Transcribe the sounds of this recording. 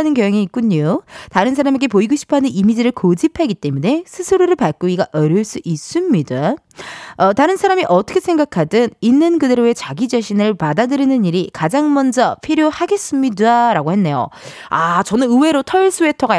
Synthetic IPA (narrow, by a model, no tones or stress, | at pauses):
nɯnkjʌjʌŋiːk̚k͈uɲotaɾɯns̬ʰaɾameɡe̞poiɡoɕʰi̥pʰoɦanɯnimid͡ʑiɾɯɭkod͡ʑipʰaɡit͈e̞mune̞sʰɯsʰɯɾoɾɯɭpaɭk͈oiɡaʔʌɾjoɭs͈uʔis͈ɯmɲida | ʌtaɾɯnsʰaɾamiʔʌt͈ʌkʰesʰe̞ŋɡakʰadɯninːɯnkɯde̞ɾoet͡ɕaɡid͡ʑaɕʰinɯɭpadadɯɾinɯniɾikad͡ʑaŋmʌnd͡ʑʌpʰiɾjohaɡe̞s͈ɯmɲidaɾaɡohe̞nːe̞jo̰ | at͡ɕʌnɯnɯwe̞ɾotʰʌiɭs͈ue̞tʰʌɡa